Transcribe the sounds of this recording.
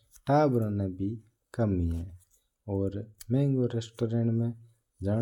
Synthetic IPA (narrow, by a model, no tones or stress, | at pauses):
ʈaːbɾanabʱi | kəmiɦɛ̃ | ɔːɾmɛ̃ːŋɡoɾeːsʈoːɾẽɳʈmẽ | d͡ʒaː